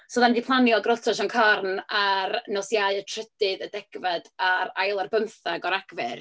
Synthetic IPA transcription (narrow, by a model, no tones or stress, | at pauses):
sɔðandipʰlˠanjɔɡrɔtʰɔʃɔnkʰarnarnɔsjaɨətʰrədɨðədɛɡ̥vadaɾajlˠarbəmθaɡɔɾaɡ̥vɨ̰r